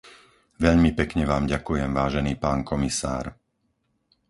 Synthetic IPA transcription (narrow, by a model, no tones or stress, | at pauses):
ʋɛʎmipɛkɲɛʋaːmɟakujɛmʋaːʒɛniːpaːnkɔmisa̰ːɾ